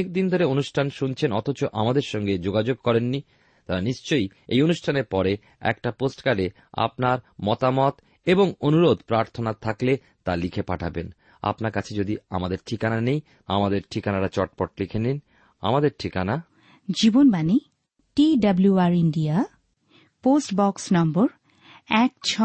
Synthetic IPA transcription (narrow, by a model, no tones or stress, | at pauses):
ek̚d̪ind̪ʱoɾeonuʃʈʰanʃunt͡ɕʰenɔt̪ʰot͡ɕoʔa̰mad̪eɾʃɔŋɡed͡ʑoɡad͡ʑoɡ̚kɔɾenːi | t̪aɾaniʃt͡ɕojejonuʃʈʰaneɾpɔɾe | ɛ̰kʈaposʈkaɖe | a̰pnaɾmɔt̪amɔt̪ | eboŋonuɾod̪pɾaɾt̪ʰonat̪ʰakle | t̪alikʰepaʈʰaben | a̰pnaɾkat͡ɕʰed͡ʑod̪ia̰mad̪eɾʈʰikananej | amad̪eɾʈʰikanaɾat͡ɕɔʈ̚pɔʈlikʰenin | a̰mad̪eɾʈʰikana | d͡ʑibonbani | ʈiɖabluaɾiɳɖia | posʈbɔksnɔmboɾ | ɛkt͡ɕʰɔ